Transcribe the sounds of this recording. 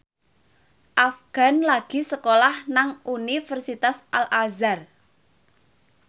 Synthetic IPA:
ʔafɡ̥a̤nlaɡ̥i̤səkolahnaŋʔunifərsit̪asʔalʔazar

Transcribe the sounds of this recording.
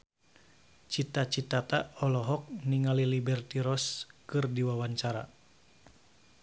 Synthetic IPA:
t͡ʃit̪at͡ʃit̪at̪aɔlɔɦɔk̚niŋalilibɛrt̪iɾɔskɨrdiwawaɲt͡ʃaɾa̰

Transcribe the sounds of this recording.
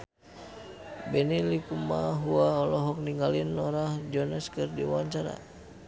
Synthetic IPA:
bɛnilikumaɦuaɔlɔɦɔk̚niŋɡalinɔɾahd͡ʒɔnaskɨrdḭwawaɲt͡ʃaɾa̰

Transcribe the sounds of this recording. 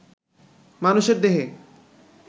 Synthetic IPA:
manuʃeɾd̪eɦe

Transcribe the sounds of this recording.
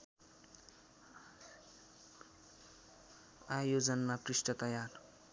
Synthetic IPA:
ajod͡zʌnːaprisʈʌt̪ʌjar

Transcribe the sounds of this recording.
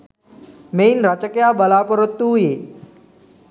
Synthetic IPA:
mejnɾat͡ʃəkjabəlapəɾət̪ːujeː

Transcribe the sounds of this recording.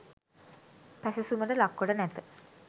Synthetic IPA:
pæsesuməʈəlakːoʈənɛt̪ə

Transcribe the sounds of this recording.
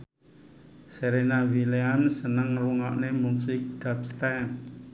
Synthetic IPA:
seɾenawileamsənəŋɾuŋɔʔnemusɪk̚d̪̥apst̪an

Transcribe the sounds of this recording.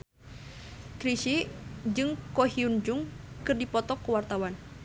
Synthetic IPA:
kɾiʃid͡ʒɨŋkɔɦiund͡ʒuŋ | kɨrdipɔt̪ɔkːuwart̪awan

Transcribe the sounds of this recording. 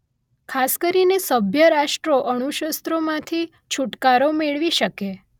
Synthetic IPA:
kʰaskəɾinesəbʱjəɾaʃʈɾoʔəɳ̃uʃəst̪ɾomãt̪ʰi | t͡ʃʰuʈkaɾomeɭʋiʃəke

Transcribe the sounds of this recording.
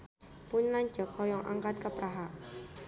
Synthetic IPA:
pʊnlaɲ̥d͡ʒɔ̤kʰɔjɔŋʔa̰ŋkat̪̚kəpɾaɦa

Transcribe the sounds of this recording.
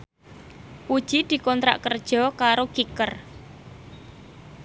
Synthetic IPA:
ud̥ʒ̥id̪̥i̤kɔnt̪ɾa̰ʔkərd̥ʒ̥ɔ̤kaɾoɡ̥ikər

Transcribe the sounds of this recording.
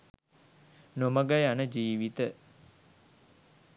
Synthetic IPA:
noməɡajanəd͡ʒiːʋit̪ə

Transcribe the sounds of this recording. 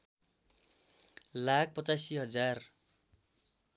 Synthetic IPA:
lak̚ʰpʌt͡sasiɦʌd͡zar

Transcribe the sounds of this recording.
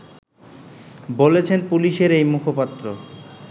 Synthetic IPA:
bolet͡ɕʰenpuliʃeɾejmukʰopat̪ːɾo

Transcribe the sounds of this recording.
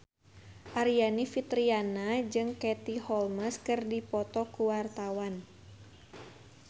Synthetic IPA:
ʔaɾianifit̪ɾianad͡ʒɨŋkɛt̪ihɔlməskɨrdipɔt̪ɔkuwart̪awan

